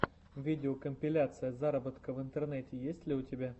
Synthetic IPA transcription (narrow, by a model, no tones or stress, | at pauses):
vʲidʲɪokəmʲpʲɪlʲat̪sɨjəzaɾəbət̪kəvɨnt̪ərnɛtʲɪjesʲtʲlʲɪʊtʲɪbʲa